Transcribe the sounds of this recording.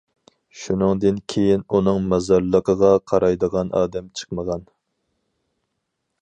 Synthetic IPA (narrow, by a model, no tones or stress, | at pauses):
ʃunɨŋd̪ɨnkʲʰejinunɨŋmɑzɑɾlˠəqʰəʁɑqʰɑɾɑjd̪əʁɑnʔɑ̰ːd̪ɛmt͡ʃʰə̥qməʁɑn